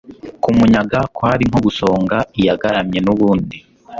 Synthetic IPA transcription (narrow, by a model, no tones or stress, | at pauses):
kumuɲaɡakwaːɾim̥hoɡuso̞ːŋɡaijaɡaɾamɲe̞nuβuːndi